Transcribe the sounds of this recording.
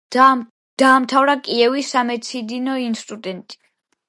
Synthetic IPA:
d̪̥aːmt̪ʰavɾakʼiɛvisːamɛt̪sʰid̪inɔinst̪ʼud̪ɛnt̪ʼi̥

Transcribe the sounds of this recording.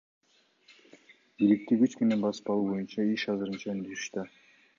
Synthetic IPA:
bilik̚t̪iɡʲyt͡ʃkenenbɑsɯ̥pɑlˠuːbo̞junt͡ʃɑiʃɑzɯɾɯnt͡ʃɑnd̪ysy̥ʃt̪ø

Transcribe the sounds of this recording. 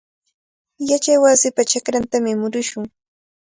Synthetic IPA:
jat͡ʃajwasɪpat͡ʃakɾant̪amɪmʊɾʊʃʊŋ

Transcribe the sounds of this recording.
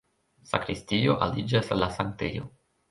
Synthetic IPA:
sa̰kɾistijoʔalid͡ʒasalasaŋk̚tḛjo̰

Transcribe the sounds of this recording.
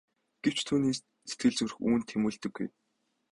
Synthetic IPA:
ɡ̥ew̥t͡ɕt̪ʰuːniːs | set̪̚ɡɘ̆ɮt͡sŭr̆xuːnt̪ʰːemuːɮt̪ɵ̆ɡːuj

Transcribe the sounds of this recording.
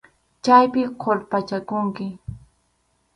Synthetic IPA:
t͡ʃajpɪqʰoɾpat͡ʃakʊŋkɪ

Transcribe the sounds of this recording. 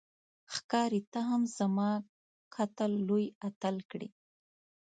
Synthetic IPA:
xkɑɾit̪aɦamz̥amɑ | kʰat̪alːojat̪alkɽi

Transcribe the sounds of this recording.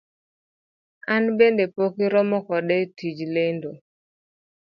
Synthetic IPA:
anbendepokiɾɔmɔkɔɗɛtid͡ʒlendo

